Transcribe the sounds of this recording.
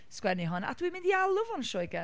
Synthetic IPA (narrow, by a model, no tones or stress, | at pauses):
skwɛniɦɔna̰d̥wimɪ̃ndialˠʊvɔnʃɔjɡɛ